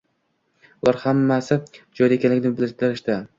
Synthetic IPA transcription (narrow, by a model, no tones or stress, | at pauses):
vɒɾhamːasɪd͡ʒɒj̪aekʲʰanlɪkʲnɪbɪlɪɾd̪ɪɾɪʃt̪a